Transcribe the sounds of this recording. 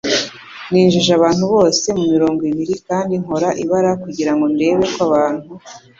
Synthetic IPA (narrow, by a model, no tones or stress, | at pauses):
niːnʒiʒaβaːnhuβo̞ːse̞mumiɾo̞ːŋɡiβiɾikaːndiŋo̞ɾaʔiβaɾakuɟiɾaŋɡo̞nde̞ːβe̞kwaβaːn̥hu